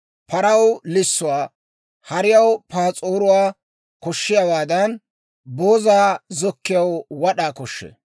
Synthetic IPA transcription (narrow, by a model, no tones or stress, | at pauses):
pʰɐɾɐwlɪsːʊwaː | hɐɾɪjɐwpaːt͡sʼoːɾʊwaː | kɔʃːɪjabaːd̪ɐn | bo̞ːzaːzɔkːɪjɐwwɐɗaːkɔʃːɛ̰